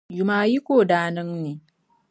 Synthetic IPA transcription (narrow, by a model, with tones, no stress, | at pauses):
jʊ˨maː˨ji˦kʷoː˦˨daː˦nɪ˦ŋneː˨